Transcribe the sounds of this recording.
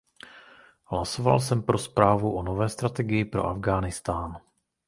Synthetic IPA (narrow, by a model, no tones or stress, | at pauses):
ɦlaso̞va̰lsɛmpɾo̞spɾaːvuʔono̞vɛːst̪ɾat̪ɛɡɪjɪpɾo̞̰ʔa̰vɡaːnɪst̪aːn